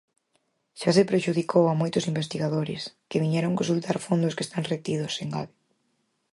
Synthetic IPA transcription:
ʃasepɾeʃuðikʰowamojt̪ʊsimbest̪iɣaðoɾɪ̰skɪβiɲɛɾoŋkonsult̪aɾfond̪ʊske̥st̪aŋret̪ið̞ʊseŋɡa̰βi

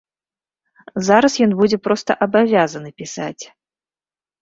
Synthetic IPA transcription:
zaɾɐsjɔnbud͡zʲɛpɾɔst̪ɐʔɐbavʲazɐnɨpʲisa̰t͡sʲ

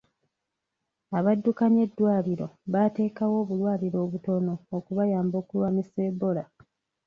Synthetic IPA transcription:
aβadːukaɲe̞dːwaːliɾo̞̰βate̞ːkawo̞ːβulwaːliɾo̞ːβuto̞no̞ːkuβajaːmbo̞ːkulwaːmise̞ːbo̞la

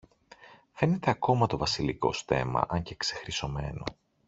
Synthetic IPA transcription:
fe̞ne̞t̪e̞ɐko̞mɐt̪o̞vɐsiliko̞̰sθe̞̰mɐ̰ʔɐɲce̞kse̞xɾiso̞me̞no̞̰

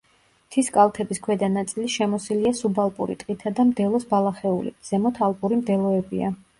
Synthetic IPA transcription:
t̪ʰiskʼalˠt̪ʰɛbiskʰwɛd̪anat̪sʼiliʃɛmɔsiliasubalˠpʼṵɾḭt̪ʼqʼit̪ʰad̪amd̪ɛlˠɔsbalˠaχɛulḭz̥ɛmɔt̪ʰalˠpʼuɾimd̪ɛlˠɔɛbḭa

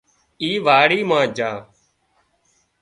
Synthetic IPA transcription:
iːʋaːɽiːmãːd͡ʒaː

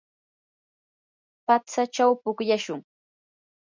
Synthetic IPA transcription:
pat͡sat͡ʃawpʊkjaʃʊŋ

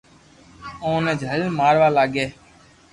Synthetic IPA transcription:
õːneːd͡ʒʱəllmaːɾʋaːlaːɡeː

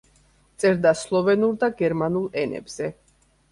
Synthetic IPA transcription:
tt̪sʼɛɾd̪aslˠɔvɛnuɾd̪aɡɛɾmanulˠɛnɛ̰bz̥ɛ

